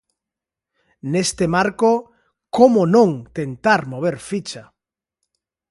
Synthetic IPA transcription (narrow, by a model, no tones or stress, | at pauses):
nest̪emaɾko | komonõŋt̪ent̪aɾmoβ̞eɾfit͡ʃa